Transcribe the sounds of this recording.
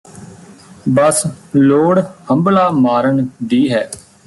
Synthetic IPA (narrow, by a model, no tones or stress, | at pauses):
bəsloːɽhəmblaːmaːɾəɳd̪iːɦɛː